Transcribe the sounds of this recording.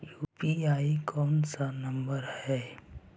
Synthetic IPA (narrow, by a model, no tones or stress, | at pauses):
juːpiaːikɔːnsanɐmbəɾhɛː